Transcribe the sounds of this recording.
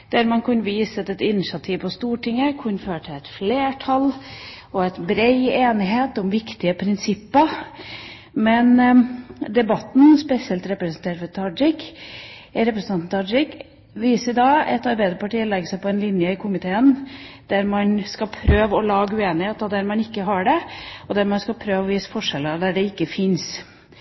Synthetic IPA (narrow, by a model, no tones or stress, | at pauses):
d̪̥æɾmɑnkʰʉnʋiːsət̪ɛt̪ɪnːɪʃɑt̪ʰiːʋpɔst̪uːʈʰɪŋːəkʰʉnːføːəʈʰɪlɛt̪fleːʈʰɑl | ɔɛt̪bɾeɪeːnɪɦeːt̪ɔmʋɪkt̪ɪəpʰɾɪnsɪpːəɾ | mɛn | d̪ɛbɑt̪n̩spɛsɪɛlt̪ɾɛpɾəsnt̪ʰeːɾfɔɾt̪ʰɑd͡ʒɪk | ɾɛpɾəsn̩ɑnn̩t̪ʰɑd͡ʒɪk | ʋiːsəɾd̪ɑːɛt̪ɑɾbæɪd̪əɾpɑʈiːlɛɡəsæɪpɔɛnlɪnjəɪkʰʊmɪt̪ʰeːənd̪̥æɾmɑnskɑpʰɾøːʋəɔlɑːɡəʉeːnɪheːt̪ɔd̪æɾmɑnɪkːəɦɑɖɛɔd̪æɾmɑnskɑlpʰɾøːʋɔʋiːsə̥fɔʂɛləɾd̪æɖɛɪkːəfɪns